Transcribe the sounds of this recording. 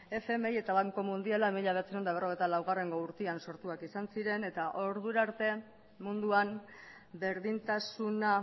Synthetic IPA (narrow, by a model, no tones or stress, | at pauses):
e̞feme̞je̞t̪aβ̞aŋko̞mund̪ialaemiʎaβe̞at͡seond̪aβ̞ero̞ɣ̞ejt̪alawɣ̞are̞ŋɡo̞uɾt̪ianso̞ɾt̪uakisansiɾe̞ne̞t̪aʔo̞ɾðuɾaɾt̪e̞ | mund̪uam | be̞ɾðint̪asuna